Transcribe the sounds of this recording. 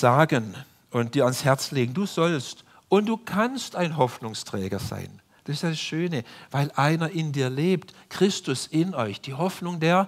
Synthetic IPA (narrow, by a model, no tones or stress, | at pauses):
z̥aːɡən | ʊntd̥iːɐanshɛɐt͡sleːɡŋ̩duːz̥ɔlst | ʊntd̥uːkʰanstaɪnɦɔfnʊŋstʁ̥ɛːɡɐza̰ɪn | d̥asɪstjadasʃøːnəvaɪlʔaɪnɐʔɪndiːɐleːptkʁ̥ɪstʊsɪnɔʏçd̥iːɦɔfnʊŋdeːɐ